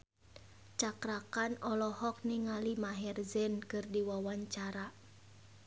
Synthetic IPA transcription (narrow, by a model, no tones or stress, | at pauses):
t͡ʃakɾakanɔlɔhɔk̚niŋalimaɦɛrzɛnkɨrdiwawaɲt͡ʃaɾa